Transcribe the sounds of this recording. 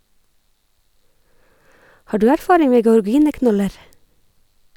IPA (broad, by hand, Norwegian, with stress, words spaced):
ˈhɑː ˈɖʉː ˈæɾˌfɑːɾɪŋ ˈmeː ɡəɔɹˈɡiːnəˌknɔləɾ